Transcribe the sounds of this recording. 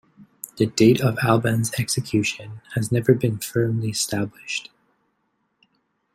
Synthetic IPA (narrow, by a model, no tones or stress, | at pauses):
ðɨdeɪɾʌvælˠbɨ̃nzɛksɨkʰj̥ʉʃɨ̃nɨznɛvə˞bɨ̃nfɜ̃˞mliɨstæblɪʃt